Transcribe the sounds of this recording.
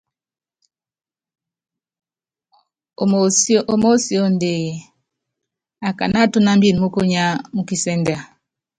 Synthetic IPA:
ʔo˨mo˦si˨o˦n˨de˨ | a˨ka̰˨na˦tu˦na˦m̩˦bi˦˨nmu˦ko˦ɲa˦mu˦ki˦sɛ˦nde˨a˨

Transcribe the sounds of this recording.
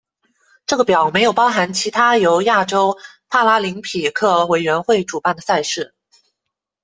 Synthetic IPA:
ʈ͡ʂɤ˥˩ɡə˩pjɑ˨˩ʊme˧˥ɪjo˨˩ʊpɑ˥ʊxa˧˥nt͡ɕʰi˧˥t̪ʰa˥jo˧˥ʊja˥˩ʈ͡ʂo˥ʊ | pʰa˥la˥li˧˥ŋpʰi˨˩kʰɤ˥˩we˨˩ɪɥɛ˧˥nxwe˥˩ɪʈ͡ʂu˨˩pa˥˩nd̪ə˩sa˥˧ɪʂɻ̩˥˩

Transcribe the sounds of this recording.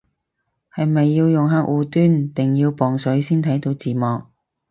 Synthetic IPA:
hɐ˨jmɐ˨jːiː˧wjʊ˨ŋɦaː˧k̚wuː˨˧t̪yː˥nt̪ɪ˨˩ŋjiː˧wpɔː˨ŋsɵ˨˥ɥsiː˥nt̪ʰɐ˨˥jt̪o˨˥wt͡siː˨˩mɔː˨k̚

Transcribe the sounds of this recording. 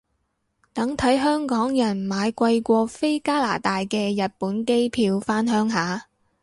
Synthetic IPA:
t̪ɐ˨˥ŋt̪ʰɐ˨˥jɦœː˥ŋkɔː˨˥ŋjɐ˨˩nmaː˨˧jkʷɐ˧jkʷɔː˧fe˥jkaː˥la̰ː˨˩t̪aː˨jkɛː˧jɐ˨t̚puː˨˥nke˥jpʰiː˧wfaː˥nɦœː˨˥ŋɦaː˨˧

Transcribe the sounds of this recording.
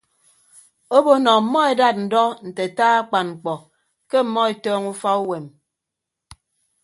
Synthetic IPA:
o˦bo˦nɔ˨m̩˨mɔ˦e˨da˦t̚n̩˨dɔ˦n̩˨te˨taː˦a˦k͡pa˨nŋ͡m̩˨k͡pɔ˨ | ke˦m̩˨mɔ˦e˨tɔː˦ŋu˦fa˦u˦we˨m

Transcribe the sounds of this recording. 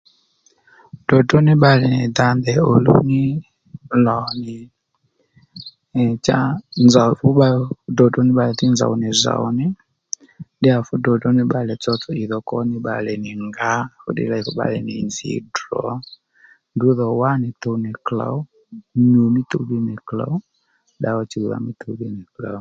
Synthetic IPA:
d̥ɔ˨tɔ˦nɪ˦ɓa˨lɛ˨ni˨da˦ndɛ˨o˨lṵ˦ni˦ | lɔ˨nɪ˨ | t͡ʃa˦nza˨fu˦ɓa˦dɔ˨dɔ˦nɪ˦ɓa˨lɛ˨θi˦nza̰˨u˨ni˨za̰˨ṵ˦ni˦ | ɗɪ˦a˨fʊ˦dɔ˨dɔ˦nɪ˦ɓa˨lɛ˨t͡sɔ˦tɔ˨i˨ðɔ˨kɔ˦nɪ˦ɓa̰˨lɛ˨nɪ˨ŋɡa˦fʊ̰˦dɪ̰˦la˨i˨fʊ˦ɓa̰˦˨lɛ˨nɪ̰˨nzḭ˨dɾɔ̰˨ | ndu˦ðɔ˨wa˦nɪ˨to˧˦nɪ˨kla̰˨˦ | ɲu˨mɪ˦to˦bi˦nɪ˨kla̰˨˦ | ɗa˦ɔ˦t͡ʃi˨u˨ða̰˨mɪ˦tʰo˨bɪ˦nɪ˨kla˨

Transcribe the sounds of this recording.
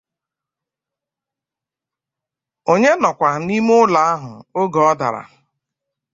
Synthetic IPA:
o˨ɲe˦nɔ˨kʷa˨ni˦mʊ˦la˨a˦ɦʊ˨o˦ɡɔ˨ɔ˦da̰˨ɾa̰˨

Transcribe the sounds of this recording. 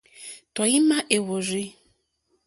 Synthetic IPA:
tɔ˨ji˦mã˦ʔe˨wo˨ɾi˦

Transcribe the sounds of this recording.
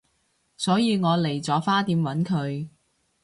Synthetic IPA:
sɔː˨˥jiː˧ŋɔː˨˧le˨˩jt͡sɔː˨˥faː˥t̪iː˨˧mwɐ˨˥nkʰɵ˨˧ɥ

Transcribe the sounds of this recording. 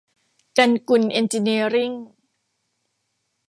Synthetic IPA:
ka˧nku˧nʔi˧nt͡ɕi˧ni˧əɾi˥˩ŋ

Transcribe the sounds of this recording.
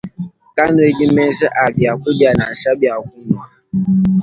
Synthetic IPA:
ka˦nu˦e˦ɡi˦mɛ˦n˦sə˦ʔa˨bja˨kʷu˦bi˦a˨na˨ʃa˦bi˨a˨ku˦nu˨a˨

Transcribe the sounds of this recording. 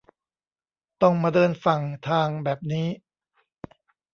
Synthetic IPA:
t̪ɔ˥˩ŋmaː˧dɤː˧nfa˨˩ŋt̪ʰaː˧ŋbɛː˨˩p̚niː˦˥

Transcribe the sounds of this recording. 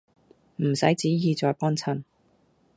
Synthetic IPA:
m̩˨˩sɐ˨˥jt͡siː˨˥jiː˨˧t͡sɔː˨˧jpɔː˥nt͡sʰɐ˨˩n

